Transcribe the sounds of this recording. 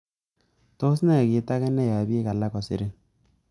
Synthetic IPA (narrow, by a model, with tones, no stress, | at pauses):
to˦s̬nɛ˦˨kɪ˨˦ta˦kɛ˦nɛ˦˨ja˨bi˦e˦ka˨la˦kɔ˨sɪ̰˨ɾe˦